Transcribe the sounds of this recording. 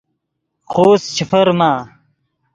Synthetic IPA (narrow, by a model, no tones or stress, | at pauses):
χʰoːst͡ɕʰifɐɾmaː